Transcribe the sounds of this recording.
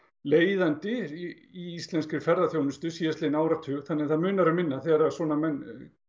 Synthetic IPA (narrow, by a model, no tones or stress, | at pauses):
leːjðant̪ɪ | iist̪lɛnskɪfɛɾðaθjownɪst̪ʏsiːjaslenaːwɾat̪ʰʏɣθanːɛaθaðmʏːnaɾamɪnːaθɛɾasɔːnamɛnː